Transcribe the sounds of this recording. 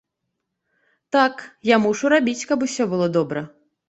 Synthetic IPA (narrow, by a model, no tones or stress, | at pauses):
t̪akjamuʂuɾabʲit͡sʲkɐpusʲɔbɨlˠɔd̪ɔbɾɐ